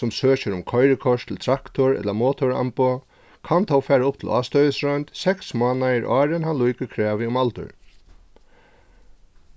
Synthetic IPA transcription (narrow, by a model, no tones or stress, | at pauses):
ʊmsøːt͡ʃɪɾʊmkʰɔjɾɪkʰɔʂt̪ʰɪlt̪ʰɾakt̪ʊɹɛ̰t̪lamɔːt̪ʰɔɹa̰mpɔ | kʰant̪ʰawfɛːɾaʊp̚t̪ʰɪ̰lʔaːst̪œðɪsɾɔjnt̪sɛksmɑːnajɪɾʔɑːɾɪnhanlujkɪkʰɾɛːʋɪʊmalt̪ʊ̰ɾ